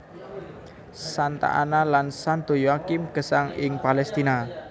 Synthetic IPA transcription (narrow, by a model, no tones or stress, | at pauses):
sant̪a̰ʔa̰nalansand̪ojakɪmkəsaŋɪ̰ŋpalɛst̪ina